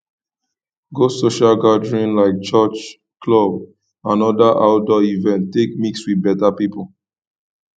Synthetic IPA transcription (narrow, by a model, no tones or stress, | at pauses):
ɡosoʃalɡadɹĩnlaɪk̚t͡ʃɔt͡ʃ | kʰlɔb | ãnɔdaʔaʊdɔivɛ̃ntːekmikswiðbɛtapipul